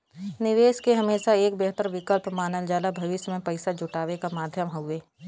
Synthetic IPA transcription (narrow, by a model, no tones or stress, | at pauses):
nɪʋeːʃkeɦɐmeːʃaeːk̚bɛɦt̪əɾʋɪkəlpmaːnəld͡ʒaːlabʱɐʋɪʃjmẽpɐɪsad͡ʒʱʊʈaːʋekamaːd̪ʱjəmɦʊeː